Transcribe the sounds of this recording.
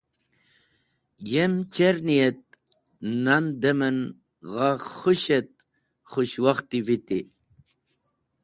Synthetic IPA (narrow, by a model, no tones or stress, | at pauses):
jemt͡ɕeɾnijet̪̚ | nand̪emən | ʁaχuɕet̪̚ | χuɕwaχt̪ivit̪i